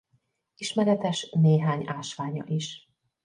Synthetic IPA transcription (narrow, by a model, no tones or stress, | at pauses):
iʃmɛɾɛt̪ɛʃneːɦaːɲaːʃʋaːɲɒ̰ʔiʃ